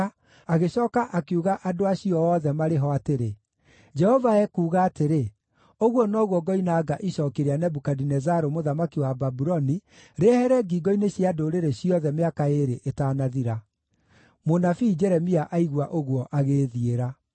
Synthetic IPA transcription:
aɣeɕɔːkaʔakeuɣaʔadoaɕiɔɔːðɛmaɾeɦɔateɾe | d͡ʒɛhɔvaɛkuːɣaːteɾe | oɣwɔnɔɣwɔɡɔinaːɡaʔiɕɔːkeɾeanɛbukadinɛzaɾomoðamakiwababuɾɔniɾehɛɾɛɡiːɡɔineɕiadoɾeɾeɕiɔðɛmeakaeɾeʔetaːnaðiɾa | monafiːd͡ʒɛɾɛmiaʔaiɣwaʔoɣwɔʔaɣeːðieɾa

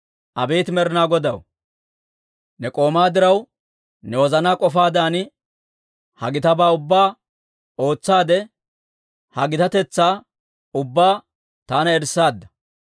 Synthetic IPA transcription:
ʔɐbeːt̪mɛɾɪnaːɡɔd̪ɐw | nɛkʼo̞ːmaːd̪ɪɾɐw | nɛwɔzɐnaːkʼɔfaːd̪aːnɪ | hɐ̰ɡɪt̪ɐbaːʊbːaː | o̞ːt͡sːaːd̪ɛ | hɐɡɪt̪ɐt̪ɛt͡sːaː | ʊbːaː | t̪aːnɐɛɾsaːd̪ːɐ̥

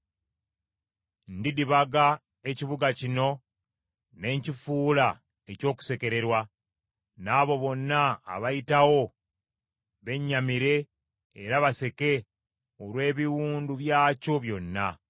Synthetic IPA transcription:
ndidiβaɡa | eciβuɡacino̞ | ne̞ɲcifuːla | eco̞ːku̥se̞ke̞ɾe̞ɾwa | naːβo̞βo̞nːa̰ːβajitawo̞ | βe̞ɲːamiɾe̞ː | ɾaβase̞ke̞ | olwe̞ːβiwuːnduβjaːco̞βjo̞nːa̰

